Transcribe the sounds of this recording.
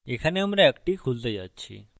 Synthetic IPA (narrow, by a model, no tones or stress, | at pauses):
ekʰaneəmɾeəkʈikʰuld̪əjat̪̚t͡ɕʰḭ